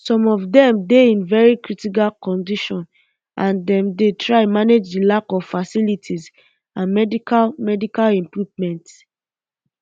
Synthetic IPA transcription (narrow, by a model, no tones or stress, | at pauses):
sɔ̃mɔvdɛ̃mdeĩnvɛɹikɹitik̬alkɔ̃ndiʃɔ̃n | ãndɛ̃mdetʰɹaɪmaned͡ʒdilakɔvfasilitʰiz | ãnmɛdikalmɛdikalɛ̃mpɹuvmɛ̃nt